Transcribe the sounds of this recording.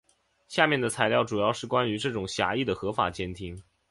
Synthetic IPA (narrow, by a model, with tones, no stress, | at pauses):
ɕja˥˧mjɛ˥˩nd̪ə˩t͡sʰa˧˥ɪljɑ˥˩ʊʈ͡ʂu˨˩jɑ˥˧ʊʂɻ̩˥˩kwa˥ny˧˥ʈ͡ʂɤ˥˩ʈ͡ʂʊ˨˩ŋɕja̰˧˥i˥˩d̪ə˩xɤ˧˥fa̰˨˩t͡ɕjɛ˥nt̪ʰi˥ŋ